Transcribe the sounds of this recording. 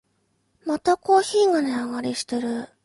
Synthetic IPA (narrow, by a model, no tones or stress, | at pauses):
mat̪ako̞ːçiːŋaneaɡaɾʲiɕi̥t̪eɾɯ̟